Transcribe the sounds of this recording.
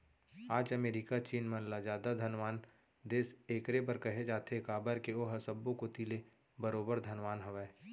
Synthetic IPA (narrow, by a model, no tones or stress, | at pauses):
aːd͡ʒəmeːɾikat͡ʃiːnmə̃nlad͡ʒaːd̪ad̪ʱənʋaːn | d̪eːseːkɾep̬əɾkɐɦed͡ʒaːt̪ekaːbəɾkeoɦəsəbõkot̪iːle | bəɾoːbəɾd̪ʱənʋaːnɦəʋɛː